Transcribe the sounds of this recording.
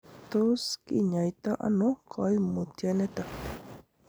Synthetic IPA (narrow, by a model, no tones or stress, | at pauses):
t̪oskɪɲajt̪aʔa̰nokʰɑjmʊt̪janet̪a